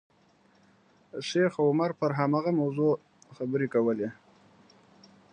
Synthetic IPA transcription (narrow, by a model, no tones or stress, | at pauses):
ʃexaʊmaɾpəɾɦamaɣamawzo | xabəɾekawəle